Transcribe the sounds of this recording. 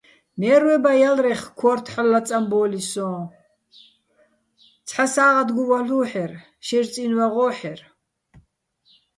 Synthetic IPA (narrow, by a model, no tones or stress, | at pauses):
mɛːɾwɛbajalrɛχkʰɔrt̪ʰħalːat͡sʼambɔːlisɔ̃ | t͡sʰʼħasaːʁad̪ɡuwaɬuːħɛr | ʃɛrt͡sʼinwaʁɔːħɛr